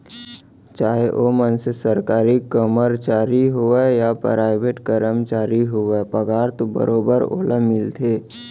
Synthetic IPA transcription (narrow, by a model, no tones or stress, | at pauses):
t͡ʃaːɦeʔoːmənsesəɾkaːɾikːəməɾt͡ʃaːɾiɦoejapɾaːɪbeːʈkəɾəmt͡ʃaːɾiɦoepəɡaːɾt̪obə̰ɾoːbəɾo̰ːləmɪlt̪ʰeː